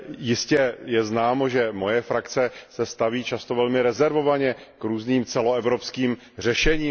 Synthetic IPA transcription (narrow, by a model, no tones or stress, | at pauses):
jɪscɛjɛznaːmo̞ʒɛmo̞jɛfɾakt͡sɛsɛst̪aviːt͡ʃast̪ovɛlmɪɾɛzɛɾvo̞vaɲɛ | kɾuːzniːmt͡sɛloɛvɾopskiːm | r̝ɛʃɛɲiː